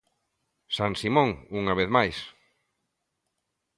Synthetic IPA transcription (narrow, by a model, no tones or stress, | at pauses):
saŋsimõŋuŋaβ̞eθmajs